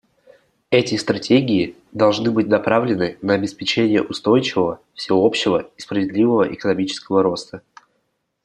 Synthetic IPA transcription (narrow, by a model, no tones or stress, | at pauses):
ɛtʲɪst̪ɾɐtʲeɡʲɪː | d̪ɐlˠʐnɨbɨt̚ʲnɐpɾavlʲɪnɨnəɐbʲɪspʲɪt͡ɕenʲɪjə̰ʔʊst̪o̞jt͡ɕɪvəvə | fsʲɪopɕːɪvəi̥spɾəvʲɪd̪lʲivəvəʔɪkənɐmʲit͡ɕɪ̥skəvəɾo̞st̪ə